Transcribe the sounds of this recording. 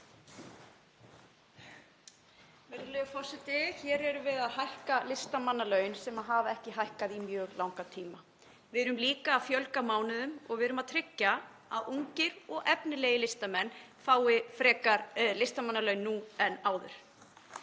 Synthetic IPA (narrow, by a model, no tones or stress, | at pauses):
mɛɾɪlœːɣfɔr̥sɪt̪ɪçɛːɾɛɾʏvɪðaðhajhkalɪst̪amanːalœːɥnsɛmaðɦaːvaɛhcɪɦajhkaðimjœːɣlawŋkat̪ʰiːma | vɪðɾʏmliːkaːfjœlkamaːwnɪðʏmɔɣvɪðɾʏmaðt̪ʰɾɪcːa | aðuɲcɪɾɔɣʔɛpnɪleːjɪlɪst̪amɛnːfaːwɪfɾɛːkaɾlɪst̪amanːalœɥnːuɛnːaːwðʏ̰ɾ̥